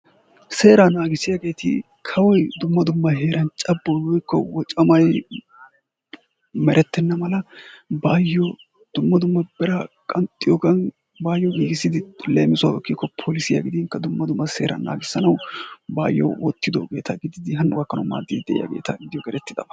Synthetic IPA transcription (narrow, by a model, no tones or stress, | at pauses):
se̞ːɾanaːɡɪsɪjaːɡe̞ːt̪ɪ̰ | kʰɐwɔjd̪ʊmːɐd̪ʊmːɐɦeːɾɐnt͡ʃʼɐbːɔwɔjkːɔ̰wɔt͡ʃʼɐmɐj | mɛɾʔɛt̪ːɛnːɐmɐlɐbaːjːɔ | d̪̥ʊmːɐd̪ʊmːɐbɛɾɐkʼɐnt̪ʼːɪjɔːɡɐn | baːjːɔɡiːɡɪsɪd̪ɪleːmɪsʊa̰wɔkːikːɔpʰoːlɪsɪja̰ːɡɪd̪ɪŋkːɐd̪ʊmːɐd̪ʊmːɐsḛːɾʔɐ̰na̰ːɡɪsːɐnɐwbaːjːɔ̰wʔɔt̪ːɪd̪o̰ɡe̞ːt̪ʰaːɡɪd̪ɪd̪ɪɦɐnːʔʊɡɐkːɐnɐma̰ːd̪ːɪd̪d̪ɛʔɪ̰ja̰ːɡḛːt̪a̰ːɡɪd̪ɪjɔɡɛɾɛt̪ːɪd̪ɐ